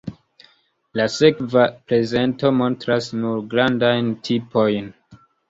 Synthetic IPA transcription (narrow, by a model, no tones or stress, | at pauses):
lase̞kvapɾe̞ze̞nto̞mo̞ntɾasnuɾɡɾandajntʰipo̞jn